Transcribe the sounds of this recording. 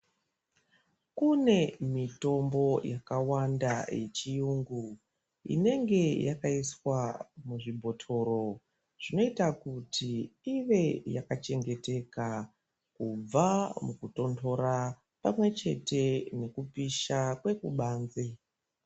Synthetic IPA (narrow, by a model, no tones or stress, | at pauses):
kune̞mito̞mbo̞jakawandaje̞t͡ʃijuŋɡu | ḭne̞ŋɡe̞jakaiswamuʐibʱo̞tʰo̞ɾo̞ | ʐ̥ino̞itakutʰiiʋe̞jakat͡ʃe̞ŋɡe̞te̞ka | kub͡vamukuto̞ntʰo̞ɾa | pamwe̞t͡ʃe̞te̞ne̞kupiʃakwe̞kuɓaːnze